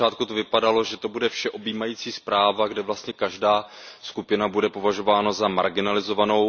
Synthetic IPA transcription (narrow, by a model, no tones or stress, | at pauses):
aːt̪̚kut̪ovɪpadalo̞ʒɛt̪o̞budɛfʃɛʔo̞biːmajiːt͡siːspɾaːvaɡdɛvlast̪ɲɛkaʒdaː | skupɪnabudɛpo̞vaʒo̞vaːnazama̰ɾɡɪnalɪzo̞vano̞w